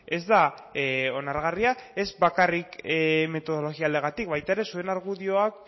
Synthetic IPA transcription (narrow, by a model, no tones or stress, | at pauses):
e̞zd̪a | o̞naɾɣ̞ariae̞zbakarikme̞t̪o̞ð̞o̞lo̞ɣiald̪e̞ɣat̪ikbajt̪ae̞ɾe̞sue̞naɾɣuðio̞ak̚